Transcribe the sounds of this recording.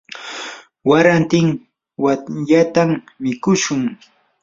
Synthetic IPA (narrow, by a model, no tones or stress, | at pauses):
waɾant̪ɪŋ | waʎat̪am | mɪkʊʃʊŋ